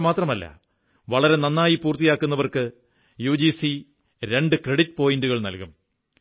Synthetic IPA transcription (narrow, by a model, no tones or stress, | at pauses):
maːt̪rɐmɐlːɐ̰ | ʋɐɭɐɾe̞nɐnːaːjipuːrt̪ːijaːkːunːɐʋɐrkɨ | juːd͡ʑiːsi | ɾe̞ɳɖɨkreɽitːɨ̥po̞ːjinduɣɐɭnɐ̰lkum